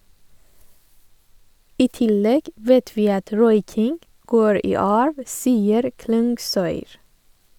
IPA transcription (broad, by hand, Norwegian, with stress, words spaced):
ˈiː ˈtɪˌlɛɡ ˈʋɛt ˈʋiː ˈɑt ˈɾɔʏkɪŋɡ ˈɡoːɹ ˈiː ˈɑːɹʋ ˈsiːəɾ ˈklʉŋɡˌsœʏɾ